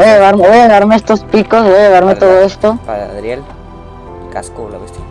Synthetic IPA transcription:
bojaβaɾmeβojaðaɾmeest̪ospikosβojajaaðaɾmet̪oðoest̪oɾel | ka

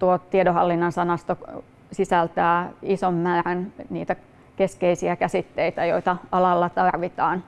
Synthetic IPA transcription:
t̪uot̪t̪iedohɑlːinːɑnsɑnɑst̪o | sisælt̪æːisommæːrænnḭːt̪æ | keskeisiækæsit̪ːeit̪æjoit̪ɑɑlɑlːɑt̪ɑrʋit̪ɑːn

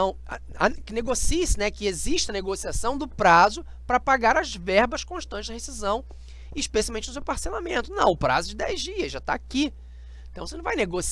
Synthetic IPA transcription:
ɐ̃w̰̃ | akɪneɡosisɪnɛkɪeziʃt͡ʃɐneɡosiasɐ̃w̃d̪ʊpɾazʊ | pɾɐpaɡaɾɐzvɛɾbɐʃkõʃt̪ɐ̃nt͡ʃɪd̪ɐhesizɐ̃w̃ | ɪʃpesialwmẽt͡ʃɪnʊs̬ewpaɾselamẽnt̪ʊnɐ̃w̃ʊpɾa̰zʊd͡ʒɪd̪ɛjzd͡ʒiɐʒat̪a̰ːki | ẽt̪ɐ̃w̃senɐ̃vajneɡos

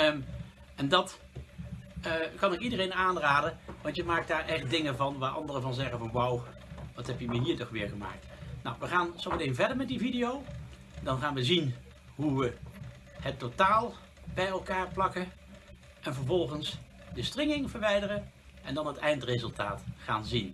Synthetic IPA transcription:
ɛndɑt | kɑnɪkidərejnaːnraːdəʋɑntjəmaːk̚d̥aːɹʔɛχt̚dɪŋəvɑnʋaːɹʔɑ̰ndərəvɑnzɛχənvɑnwaw | ʋɑtɦɛpjəməɦiːtɔχʋɪːɹχəma̰ːk̚tnawʋəχaːnsomətɪnvɛɹdəɹmɛtdividijow | dɑnχaːnʋəzin | ɦuʋə | ɦətːotaːlˠ | bɛjɛlˠkaːɹplɑkə | ʔɛnvəɹvɔlˠχəns | dəstrɪŋɪŋvəɹʋɛjdərə | ɛndɑnɦətɛjntrezɵlˠtaːtχa̰ːnzin

